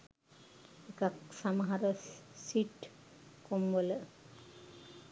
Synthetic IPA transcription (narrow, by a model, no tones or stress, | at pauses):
ekaksaməɦaɾəsiʈ | komʋolə